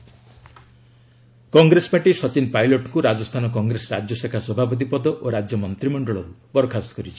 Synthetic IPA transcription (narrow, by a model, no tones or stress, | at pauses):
kɔŋɡɾesɔ̥paʈisɔt͡ʃinpajlɔʈkuɾad͡ʒɔst̪ʰanɔk̬ɔŋɡɾesɔɾad͡ʒjɔsekʰaswɔbʱapɔt̪̬ipɔd̪ɔʔoɾad͡ʒjɔmɔnt̪ɾimɔɳɖɔɭɔɾupɔɾɔkʰast̪ɔkɔɾit͡ʃʰi̥